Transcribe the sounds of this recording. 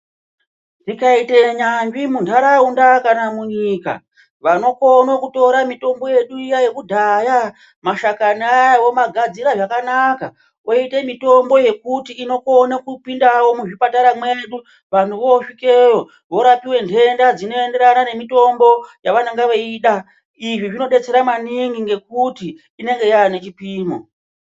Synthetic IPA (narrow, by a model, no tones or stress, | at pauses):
dikaite̞ɲambimundaɾaundakanamuɲika̰ | ʋano̞ko̞nokuto̞ɾamito̞mbo̞je̞ɗuijaje̞kudʱaja | maʃakanajawomaɡʱad͡ziɾaʐakanaka | ʔo̞ite̞mito̞mbo̞je̞kutiːno̞ko̞nakupindawo̞muʐipataɾamwe̞ɗu | ʋantʰuʋo̞ʂike̞jo̞ | ʋo̞ɾapiwe̞ndʱe̞ndad͡zino̞e̞nde̞ɾanane̞mito̞mbo̞jaʋanaŋɡaʋoiɗa | iʐiʐino̞ɗe̞t͡se̞ɾamaniŋɡiŋɡe̞k̚utiː | ne̞ŋɡe̞jaanet͡ʃipiːmo